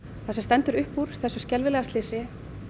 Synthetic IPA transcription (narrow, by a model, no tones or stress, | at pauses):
θasɛmst̪ɛnt̪ʏɾʏhpːuɾ̥θɛsːʏscɛlvɪlɛːɣast̪lɪːsɪ